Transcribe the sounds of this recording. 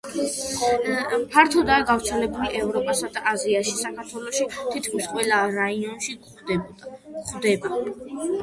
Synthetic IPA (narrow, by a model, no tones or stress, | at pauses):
pʰaɾt̪ʰɔd̪aːɡavɾt̪sʰɛlɛbuliʔɛvɾɔpʼasad̪aʔaziaʃisakʰaɾt̪ʰwɛlˠɔʃit̪ʰit̪ʰkʰmisqʼwɛlˠaɾaiɔnʃi | χd̪ɛba